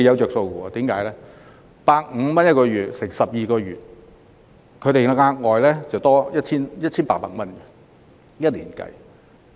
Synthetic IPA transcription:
jɐ˨˧wt͡ʃœː˨k̚so˧wuː˨˩ɐ˧t̪iː˨˥mkaː˨˥jlɛː˥ | paː˧k̚ŋ̩˨˧mɐ˥njɐ˥t̚kɔː˧ɥyː˨˩t̚sɪ˨˩ŋsɐ˨p̚jiː˨kɔː˧ɥyː˨˩t̚ | kʰɵ˨˧ɥt̪e˨˩˧ŋaː˧k̚ŋɔː˨jlɛː˥t͡sɐ˨˩wt̪ɔː˥jɐ˥t̚t͡ɕʰiː˥njɐ˥t̚t͡ɕʰiː˥npaː˧˥paː˨k̚mɐ˥nkɛ˨ | jɐ˥t̚liː˨˩nkɐ̰˧j

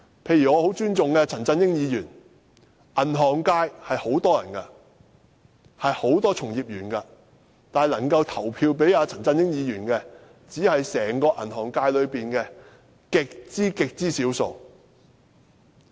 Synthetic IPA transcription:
pʰe˧jyː˨˩ŋɔː˨˧ho˨˥wt͡ʃyː˥nt͡sʊ˨ŋkɛ˧t͡sʰɐ˨˩nt͡sɐ˧njɪ˥ŋjiː˨˧jyː˨˩n | ʔɐ˨˩nɦɔː˨˩ŋkaː˧jhɐ˨jho˨˥wt̪ɔː˥jɐ̰˨˩nkɐ˧ | hɐ˨jho˨˥wt̪ɔː˥t͡sʰʊ˨˩ŋjiː˨p̚jyː˨˩nkɐ˧ | t̪aː˨lɐ˨˩ŋkɐ˧wt̪ʰɐ˨˩wpʰiː˧wp̬e˨˥jaː˨˧t͡sʰɐ˨˩nt͡sɐ˧njɪ˥ŋjiː˨˧jyː˨˩nkɛː˧ | t͡siː˨˥hɐ˨jsɛː˨˩ŋkɔː˧ʔɐ̰˨˩nhɔː˨˩ŋkaː˧jlɵ˨˧ɥpiː˨nkɛ˧ | kɪ˨k̚t͡siː˥kɪ˨k̚t͡siː˥siː˨˥wso̰˨˧w

